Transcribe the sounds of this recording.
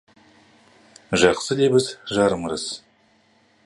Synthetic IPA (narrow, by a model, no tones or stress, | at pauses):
ʒɑqsəd̪ebɪzʒɑɾəməɾəs